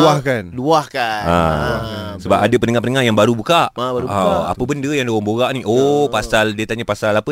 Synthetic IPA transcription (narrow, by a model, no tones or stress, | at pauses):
uahkanluahkaa | səbapadapənəŋapənəŋahjaŋbaɾubukaʔauaa̰pəbəndəjaŋdowaŋboɣaʔniʔopasaldiət̪aɲapasalapə